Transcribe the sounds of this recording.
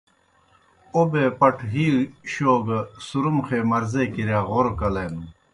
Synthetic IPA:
obepɐʈʰɦiːɕoːɡɐsuɾumxeːmɐɾzekiɾjaːɣoɾkɐleːnu

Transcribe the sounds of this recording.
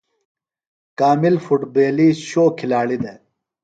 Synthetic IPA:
kaːmilfuʈbeːliːsɕoːkʰilaːɭid̪e

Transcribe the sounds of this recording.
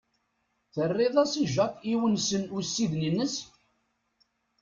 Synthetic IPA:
θərˤːeðˤæsiʒəqiwənsənusːiðninːəs

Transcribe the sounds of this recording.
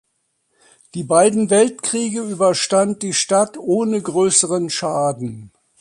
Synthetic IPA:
d̥iːbaɪdn̩vɛltkʁ̥iːɡəyːbɐʃtant̚d̥iːʃtatʔoːnəɡʁøːsəʁənʃaːdn̩

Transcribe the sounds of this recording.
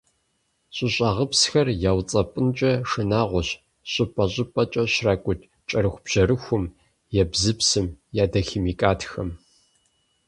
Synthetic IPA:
ɕʼɪɕʼaʁəpsxɐrjaːwt͡sʼɐpʼɨnt͡ʃʼɐʂɨnaːʁʷʊɕ | ɕʼɪpʼɐɕʼɪpʼɐt͡ʃʼɐɕraːkʷʼʊtʰʼ | t͡ʃʼɐɾɨxʷb̥ʑ̥ɐɾɨxʷʊm | jɛbzɨpsɨmjaːdɐximiːkʼaːtʰxɐm

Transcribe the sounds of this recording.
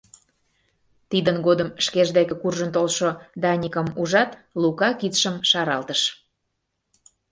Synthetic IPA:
t̪id̪ənɡod̪əmʃkeʒd̪ekĕkurʒə̆nt̪olʃod̪ɑnʲikəmuʒɑt̪lukɑkit̪ʃəmʃɑɾɑlt̪əʃ

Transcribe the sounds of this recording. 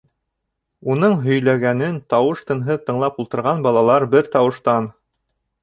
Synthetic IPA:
unɤɴɦɵ̆jlæɡænɘnt̪ɑwɤʃt̪ɤ̆nɦɤt̪ɤ̆ɴlˠɑpulˠt̪ɤ̆ɾʁɑnbɑlˠɑlˠɑɾbɘɾt̪ɑwɤ̆ʃt̪ɑn

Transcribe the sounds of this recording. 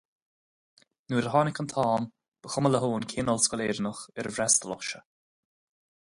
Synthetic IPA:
nuːɾəɦɑːnɪkənt̪ʰɑːm | b̥əxʊmələɦoːnkʰeːnɔlskɔleːɾnəxɛɾəvɾɛst̪əlɔxʃə

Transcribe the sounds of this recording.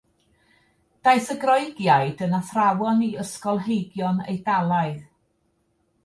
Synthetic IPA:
d̥ajsəɡrɔɨɡjajdənaθrawɔniəskɔlˠɦejɡjɔnḛjdalˠaɨð

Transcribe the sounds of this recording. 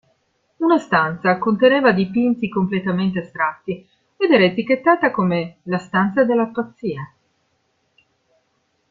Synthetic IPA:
unast̪ant̪sakont̪eneːvad̪ipint̪ikomplet̪ament̪east̪ɾat̪ːi | ed̪ɛːɾaet̪ikːet̪ːaːt̪akomelast̪ant̪sad̪elːapat̪sːiːa

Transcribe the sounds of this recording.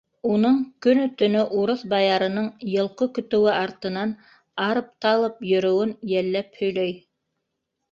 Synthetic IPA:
unɤɴkɵnɵ̆t̪ɵ̆nɵʔuɾɤθbɑjɑɾɤ̆nɤɴjɤ̆lˠqɤkɵ̆t̪ɵ̆wɘʔɑɾt̪ɤ̆nɑn | ɑɾɤp̚t̪ɑlˠɤp̚jɵ̆ɾɵ̆wɘnjælːæphɵ̆jlœj

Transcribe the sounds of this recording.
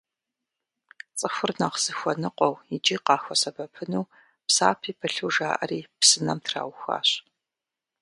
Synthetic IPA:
t͡sʼɨxʷʊrnaːqz̥ɨxʷɔnɨqʷʼɔwid͡ʒiːqɑːxʷɐsɐbɐpʰɨnuː | psa̰ːpʰiːpʰɐɬuwʒaːʔɐ̰riːpsɨnɐ̰mtʰra̰ːwxʷa̰ːɕ

